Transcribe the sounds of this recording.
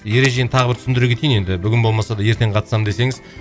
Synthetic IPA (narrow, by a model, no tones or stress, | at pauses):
je̞ɾe̞ʒe̞nɪt̪ʰɑʁəbɪɾt̪ʰʏ̥sɪnd̪ɪɾekʲet̪ejine̞d̪ɪbʏɡʲɪnbo̞lˠmɑsɑd̪ɑje̞ɾt̪e̞ɴqʰɑt̪əsɑmd̪e̞se̞ŋɪz